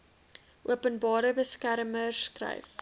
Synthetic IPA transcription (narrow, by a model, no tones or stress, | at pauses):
ʔuəpənbɑːɾəbəskærməskrɐ̰jf